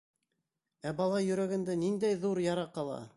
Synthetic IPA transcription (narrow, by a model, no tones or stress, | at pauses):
æbɑlˠɑjɵ̆ɾæɡænd̪ænind̪æjðuɾjɑɾɑqɑlˠɑ̰